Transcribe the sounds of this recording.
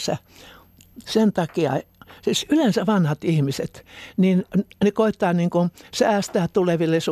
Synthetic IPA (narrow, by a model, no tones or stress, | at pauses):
sæ̰ | sent̪ɑkiɑ̰sisylensæʋɑnhɑt̪ihmiset̪ninnekoit̪ːɑːniːŋkusæːst̪æːt̪uleʋilːes